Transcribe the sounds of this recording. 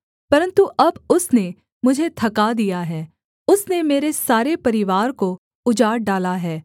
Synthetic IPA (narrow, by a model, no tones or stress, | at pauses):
pɐɾə̃nt̪uʔɐbʊsne | mʊd͡ʒʱet̪ʰɐkad̪ijaɦɛː | ʊsnemeːɾesaːɾepɐɾɪʋaːɾko | ʊd͡ʒaːɾɖaːlaɦɛː